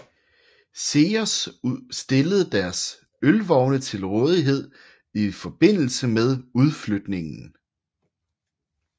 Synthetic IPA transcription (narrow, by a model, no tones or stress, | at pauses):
se̝ːɒssd̥e̝ləð̞̩ˠd̥æɐs | ølʋɒʊnət͡sʰe̝lʁɔːð̞ˠiɦe̝ð̰ˠ | ifɒ̽b̥e̝n̰l̩səmeð̞ˠuð̞ˠflød̥ne̝ŋn̩